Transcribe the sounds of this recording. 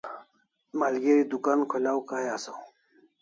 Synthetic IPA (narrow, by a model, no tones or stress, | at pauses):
maːlɡeɾid̪ukankʰolaːwkajasaw